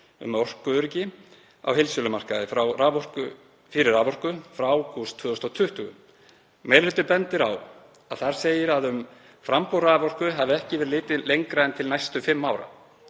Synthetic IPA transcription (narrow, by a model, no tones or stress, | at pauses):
ʏ̰mɔr̥kʏʏɾcɪ | a̰whɪlsʏlʏmar̥kaðɪfɾawraːvɔr̥kʏ | fɪɾɪɾaːvɔr̥kʏfɾaawkʰust̪ʰvœːðʏst̪ɔwt̪ʰʏht̪ʏɣʏ | mejɾlʏt̪ːʏɾpɛnt̪ɪɾaw | aðθaɾ̥seːjɪɾaðʏm | fɾampowɾaːvɔr̥kʏɦavɪɛhcɪvɛɾlɪːt̪ɪlejŋkɾaðɛnt̪ʰɪlnajst̪ʏfɪmːawɾa̰